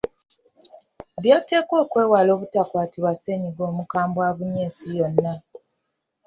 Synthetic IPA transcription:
βjoːte̞ːko̞ːkwe̞ːwalo̞ːβutakwaːtiβwase̞ɲiɡo̞ːmukaːmbwaβuɲeːsijonːa

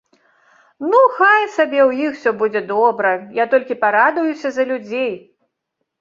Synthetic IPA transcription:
nuxajsabʲɛwjixwsʲɔbud͡zʲɛd̪ɔbɾɐjat̪ɔlʲkʲipaɾad̪ɐjusʲɐzɐlʲud͡zʲej

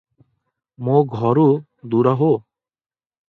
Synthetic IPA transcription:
moɡʱɔɾu | d̪uɾaɦo

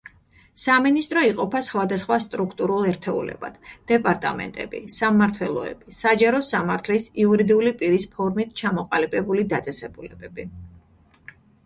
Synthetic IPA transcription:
saminist̪ʼɾɔiqʼɔpʰasχwad̪asχwast̪ʼɾukʰt̪ʼuɾulˠɛɾt̪ʰɛṵlɛ̰ba̰d̪̥d̪̥ɛpʼaɾt̪ʼa̰mɛ̰nt̪ʼɛ̰bḭsamːaɾt̪ʰwɛlˠɔ̰ɛ̰b̥isad͡ʒaɾɔsamaɾt̪ʰlisiuɾid̪iulipʼiɾispʰɔɾmit̪̚ʰt͡ʃʰamɔqʼalibʼɛbulid̪at̪sʼɛsɛbulɛbɛb̥i

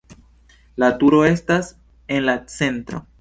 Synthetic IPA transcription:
latuɾo̞e̞stas | e̞nlat͡se̞ntɾo̞̰

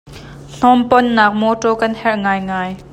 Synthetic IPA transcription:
n̥ɔmpɔnːaːk̚mɔʈɔkɐnhɛrʔŋaːjŋaːj

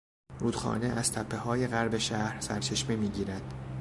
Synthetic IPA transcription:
ɾuːd̪xɒ̰ːneʔæz̥t̪ʰæpʰːe̞hɒːje̞ɣæɾbe̞ʃæhɾsæɾt͡ʃʰeʃmimiːɟiːɾæd̪̥

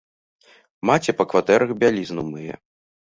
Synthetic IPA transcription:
mat͡sʲɛpɐkvat̪ɛɾɐɣbʲalʲiznumɨjɛ̰

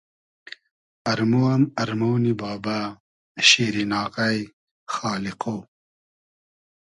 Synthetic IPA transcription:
ɐɾmuwɐmɐɾmownibɑːba | ʃiːɾinɑːqaj | xɑːliqo

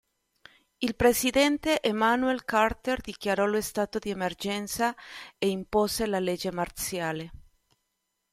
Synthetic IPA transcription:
ilpɾesid̪ɛnt̪eʔemanuɛlkart̪erd̪ikjaɾɔlest̪aːt̪od̪iemerd͡ʒɛnt̪saeimposelaled͡ʒemart̪sjaːle

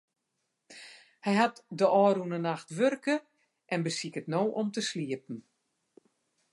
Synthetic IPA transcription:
hɛjɦatdəʔɔːɾunənaxtʋørkə | ʔɛnbəsikətnoːʔɔmtəsliəp̚n̩

